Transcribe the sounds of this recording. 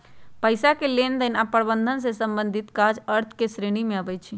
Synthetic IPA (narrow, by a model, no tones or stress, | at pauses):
pəjsakelend̪ənapəɾbənd̪ʱəns̬ẽsəmbənd̪ʱit̪kad͡ʒəɾt̪ʰkesɾeɽ̃imẽəbɛjt͡ʃʰi